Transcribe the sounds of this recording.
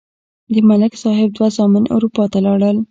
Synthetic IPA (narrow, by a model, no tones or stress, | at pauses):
d̪əmalɪksɑɦɪb̚d̪wazɑmɪnʔa̰wɾupɑt̪alɑɽəl